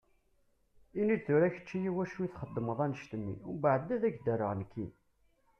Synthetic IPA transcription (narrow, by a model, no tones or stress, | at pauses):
inid̪θuɾæçə̥t͡ʃːijiwæʃuiθχəd̪ːəməðˤænəʃt̪əmːḭʊbaʕəd̪æðæɡd̪ərəʁnəkʰːḭ